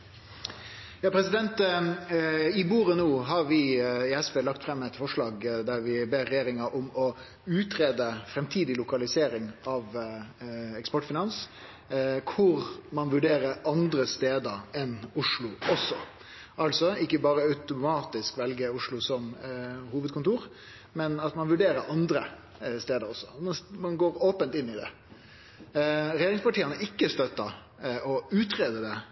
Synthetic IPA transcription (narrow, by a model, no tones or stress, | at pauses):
jɑːpʰɾɛsɪd̪ɛnt̪ | ɪbuːɾənoːɦɑɾʋɪɪɛsʋeːlɑkt̪fɾɛmːɛt̪fɔʂlɑːɡd̪æɾʋɪbeːɾːɛjeːɾɪŋɑʔɔmɔ | ʉːt̪ɾeːd̪əfɾɛmt̪ʰiːd̪ɪlʊkɑlɪseːɾɪŋɑʋ | ɛkspɔʈːfɪnɑns | kʰʊɾmɑnʋʉɖeːɾəɾɑnd̪ɾəst̪eːd̪əɾɛnʊʂɭʊɔsɔ | ʔɑlsɔɪkːəbɑːɾəɑʉt̪ʊmɑːt̪ɪskʋɛlɡəʊʂɭʊsɔmhuːʋəd̪̚kʰʊnt̪uːɾ | mɛnɑt̪mɑnʋʉɖeːɾəɾʔɑnd̪ɾə | st̪eːd̪əɾɔsːɔ̥mmɑnɡoːɾoːpənt̪ɪnːɪd̪ɛ̰ | ɾɛjeːɾɪŋspɑʈiːənəʔɪkːəst̪œt̪ːə | ɔʉːt̪ɾeːd̪əd̪ɛ